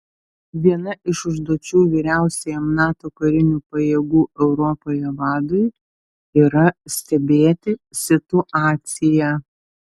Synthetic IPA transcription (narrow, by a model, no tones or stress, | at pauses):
ʋʲiɛnɐʔɪʃʊʒd̪uɔt͡ʃʲuːʋʲiːɾʲæˑʊsʲɛjɛmnɑːt̪oːkɐɾʲɪnʲuːpɐjeːɡuːɛʊɾɔpoːjɛʋɑːd̪ʊj | iːɾɐsʲt̪ʲɛbʲeːt̪ʲɪsʲɪt̪ʊʔɑːt̪ʲsʲɪjæː